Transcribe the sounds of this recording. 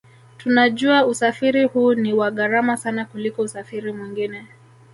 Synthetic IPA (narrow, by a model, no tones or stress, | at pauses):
tunaʄuausafiɾihuːniwaɠaɾamasanakulikɔusafiɾimwiŋɡinɛ